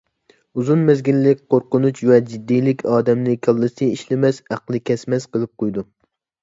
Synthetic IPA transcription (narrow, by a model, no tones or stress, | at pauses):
uzunmezɡʲilːɪkʲqoɾqʊnut͡ʃvɛd͡ʒid̪ːijlɪkʲʰɑːd̪ɛmlɪkʲʰɑlˠːɨsɨiʃlɪmɛsæqlˠɨkʲʰɛsmɛsqəlˠɨp̚qʰojd̪u